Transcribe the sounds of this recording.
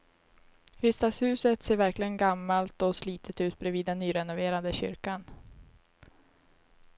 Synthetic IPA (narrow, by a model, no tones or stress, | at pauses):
kʰɾʏst̪ashʉ̟ːsət̪seːɾvæɾklɪɡənɡamːalt̪ɔsliːt̪ʰət̪ʉ̟ːt̪̚bɾɛviːd̪ːɛnːyːɾɛnʊveːɾand̪əɕʏ̰ɾkan